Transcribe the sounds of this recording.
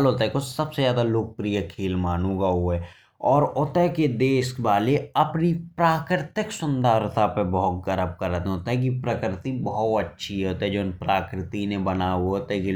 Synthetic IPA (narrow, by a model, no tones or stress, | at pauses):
lɦoːt̪aɦɛkosɐbsezaːd̪aloːk̚pɾijəkʰeːlmaːnõːɡaɦoɛ | ɔːɾʊt̪ɛɦked̪eːʃbaːleɐpnipɾaːkɾɪt̪ɪksʊ̃nd̪əːɾt̪ʰapebəɦʊt̪̚ɡəɾəp̚kəɾət̪ɦoːt̪aɦɛk̬ipɾəkɾɪt̪ibəɦʊt̪ətːʃʰiɦɛɦoːt̪iɦɛd͡ʒoːnpɾaːkɾɪt̪inebənaɦuoːt̪ɛki